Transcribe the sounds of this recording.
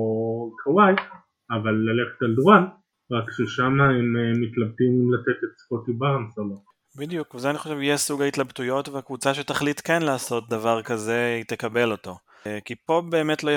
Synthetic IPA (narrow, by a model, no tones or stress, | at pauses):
okʰawaj | avalːale̞χetalduʁan | ʁakʃeʃamaemmːit̪lab̚timimlatet̪etspotibaʁansalon | bidjukvzeaniχo̞ʃevijesuɡaitlabtujo̞tveakvut͡saʃetaχlitkenlaːso̞t̚d̪avaʁkaze̞it̪ekabe̞lo̞to̞ | kipo̞be̞ːme̞tlo